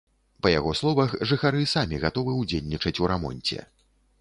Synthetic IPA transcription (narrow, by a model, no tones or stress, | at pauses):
pɐjaɣɔslˠɔvɐxʐɨxaɾɨsamʲiɣat̪ɔvɨwd͡zʲelʲnʲit͡ʂɐt͡sʲuɾamɔ̰nʲt͡sʲɛ̰